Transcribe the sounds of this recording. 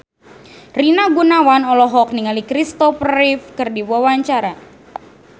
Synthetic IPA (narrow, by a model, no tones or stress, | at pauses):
rinaɡunawanɔlɔɦɔk̚niŋalikɾist̪ɔfrifkɨrdiwawaɲt͡ʃaɾa